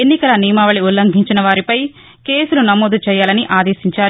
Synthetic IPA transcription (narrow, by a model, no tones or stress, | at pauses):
enːikɐlɐniːmaːʋɐɭiulːɐŋɡʱiɲt͡ʃinɐʋaːɾipɐj | ke̞ːsulunɐmoːd̪ut͡ʃɛːjaːlɐniʔaːd̪eːsiɲt͡ʃaːɾ